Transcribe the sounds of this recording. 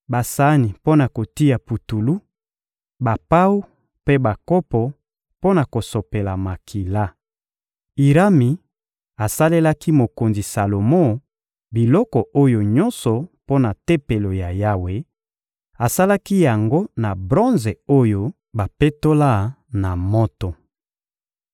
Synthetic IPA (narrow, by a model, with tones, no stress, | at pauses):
ba˨sa˦ni˨po˦na˨ko˨ti˦ja˨pu˨tu˨lu˦ | ba˨pa˦u˦ | pe˦ba˨kɔ˦pɔ˨ | po˦na˨ko˨so˨pe˨la˨ma˨kʰi˨la˦ | i˨ʁa˦mi˨ | a˨sa˦le˦la˦ki˦mo˨ko˨nzi˨sa˨lo˨mõ˦˨ | bi˨lɔ˦kɔ˨ʔo˦jo˨ɲɔ˦nsɔ˨po˦na˨te˦pe˨lo˨ja˨ja˦we˨ | a˨sa˦la˦ki˦ja˨ŋɡo˦na˨bʁɔ˦nze˨o˦jo˦ | ba˨pe˦to˦la˦na˨mɔ˦tɔ˨